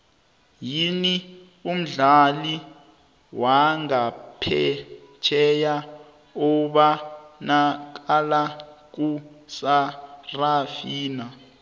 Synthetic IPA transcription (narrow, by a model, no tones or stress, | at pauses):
jini | um̩ɮali | waŋapʰɛt͡ʃʰɛja | uɓanak̬alak̬usarafiːna